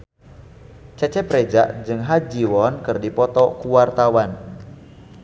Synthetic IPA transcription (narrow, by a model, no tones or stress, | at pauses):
t͡ʃɛt͡ʃɛpɾed͡ʒa̰ʔd͡ʒɨŋɦad͡ʒiwɔnkɨrdipɔt̪ɔkuwart̪awan